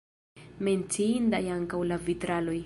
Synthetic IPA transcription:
ment͡siind̪ajaŋkawlavit̪ɾaloj

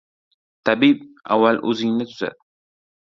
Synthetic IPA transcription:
t̪ʰabib̚a̰wːalʔɵzɪŋnɪt̪ʰʊza̰d̪̚

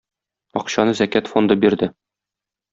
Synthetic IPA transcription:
ɒqɕɑnɤzækæt̪fo̞nd̪ɤbiɾd̪ɘ

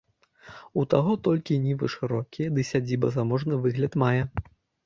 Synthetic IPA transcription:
ut̪aɣɔt̪ɔlʲkʲinʲivɨʂɨɾɔkʲijɐd̪ɨsʲad͡zʲibɐ̰zamɔʐnɨvɨɣlʲɐt̪majɛ

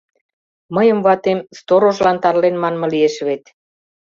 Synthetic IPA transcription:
məjə̆mβɑt̪emst̪oɾoʒlɑnt̪ɑrlenmɑnmɤ̆lieʃβet̪

